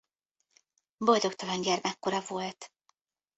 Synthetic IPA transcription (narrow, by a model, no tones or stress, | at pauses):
bo̞ld̪o̞kt̪ɒlɒnɟɛrmɛkːoɾɒvo̞lt̪